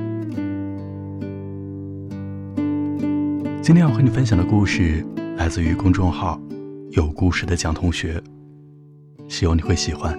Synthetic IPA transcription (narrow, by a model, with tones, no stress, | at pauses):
t͡ɕi˥nt̪ʰjɛ˥njwni˨˩fə˥nɕjɑ˨˩d̪ə˦ku˥˧ʂɻ̩˥˩la˧˥ɪt͡sɹ̩˥˧y˧˥kʊ˥ŋʈ͡ʂʊ˥˧ŋxɑ˥˩ʊjo˨˩ʊku˥˧ʂɻ̩˥˩d̪ə˩˦t͡ɕjɑ˨˩ŋt̪ʰʊ˧˥ŋɕɥɛ˧˥ | ɕi˧˩wɑ˧˥˩ŋni˨˩xwe˥˩ɪɕi˨˩xwa˦˥n